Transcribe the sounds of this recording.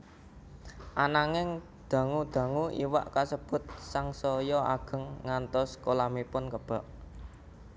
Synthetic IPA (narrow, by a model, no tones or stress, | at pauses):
ʔanaŋɪŋ | d̪̥ä̤ŋud̪̥ä̤ŋuʔḭwa̰ʔkasəb̥ʊ̤t̪̚saŋsɔjɔa̰ɡ̥ə̤ŋːant̪ɔskolamipʊnkəb̥a̤ʔ